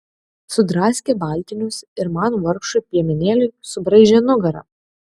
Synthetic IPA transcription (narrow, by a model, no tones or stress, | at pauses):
sʊd̪ɾɑːsʲkʲeːbɑˑlʲˑt̪ʲɪnʲʊsɪɾmɑːnoːʋɐɾkʃʊpʲiɛmʲɪnʲeːlʲʊɪsʊbɾɐɪʒʲɛnʊɡɐɾɐ̰